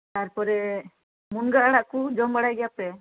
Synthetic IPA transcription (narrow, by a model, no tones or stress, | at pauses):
t̪aɾpɔɾɛ | munɡaaɽaʔkud͡ʒɔmbaɽajɡɛjapɛ